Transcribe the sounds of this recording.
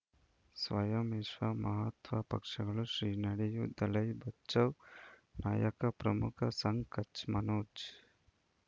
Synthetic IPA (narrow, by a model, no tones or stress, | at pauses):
sʋɐjɐmɪʃʋamɐɦat̪ʋɐpɐ̰kʂɐɡɐɭuʃɾiːnɐɽijud̪ɐlɐjbɐtːt͡ʃɐʋna̰ːjɐkɐpɾɐmukʰɐsɐŋɡkɐt͡ʃmɐnoːd͡ʒ